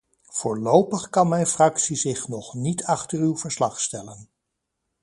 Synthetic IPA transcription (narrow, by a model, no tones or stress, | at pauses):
v̥oːɹlowpəχkɑnmɛjnfrɑksizɪχnɔχnitʰɑχtərywvəɹslɑχstɛlən